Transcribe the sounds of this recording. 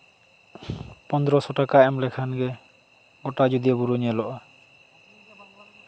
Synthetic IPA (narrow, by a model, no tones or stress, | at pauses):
pɔnd̪ɾɔsɔʈakaɛmlɛkʰanɡɛ | ɡɔʈad͡ʒud̪iɔbuɾuɲɛlɔʔa